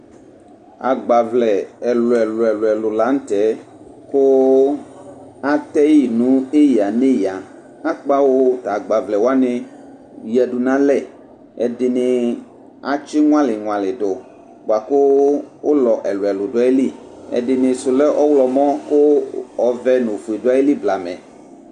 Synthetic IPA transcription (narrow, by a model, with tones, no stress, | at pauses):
a˨ɡ͡ba˨vlɛ˨ɛ˨lʊ˨ɛ˨lɛ˨lʊ˨ɛ˨lʊ˨la˨˦n̩˦tɛ˨˦kʊ˦ | a˦t̪ɛ˦ji˨nũ˨˦e˦ja˨ne˦ja˨ | a˦k͡pa˦wo˦t̪a˨ɡ͡ba˨vlɛ˨wo˦a˦nɪ˧˨ | jɛ˨du˨nã˦lɛ˦˨ | ɛ̰˨dɪ˨nɪ˨ | a˨t͡ʃɪ˦ŋ̃ʷ˦a˦lɪ˨ŋw̃ã˨lɪ˨dʊ˨ | bo˨a˨kʊ˦wʊ˦lɔ˨ʔɛ˨lʊ˨ɛ˨lʊ˨dʊ˨˦a˨˦e˦li˦˨ | ɛ̰˨dɪ˨nɪ˨sʊ˨lɛ˦ʔɔ˦wlɔ˨mɔ̃˦kʊ˦ɔ˨vɛ˦nõ˨fu˨e˨dʊ˦a˦je˦li˦bla˨mɛ̰̃˨